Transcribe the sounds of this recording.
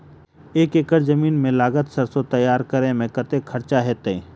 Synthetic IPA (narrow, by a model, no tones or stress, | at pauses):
eːkekəɾzɐmiːnmẽlaːɡət̪səɾsot̪ɐjːaːɾkɐɾẽmẽkət̪ekʰɐɾt͡ʃaɦeːt̪ẽ